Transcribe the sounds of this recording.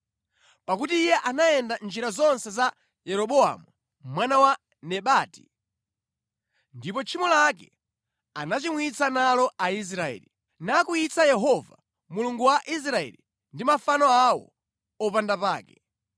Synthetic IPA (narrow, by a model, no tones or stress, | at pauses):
pakutiːjɛʔanaɛndand͡ʒiɾazɔnsɛza | jɛɾɔɓɔa̰mu | mwanawa | nɛɓaːti̥ | ndipɔt͡ʃʰimɔlakɛ̰ | anat͡ʃimwit͡sanalɔʔais̬ɾaɛ̰ːli | nakuit͡sajɛɦɔva | muluŋɡuwaʔis̬ɾaɛ̰li | ndimafanɔawɔ̰ | ɔpandapaːkɛ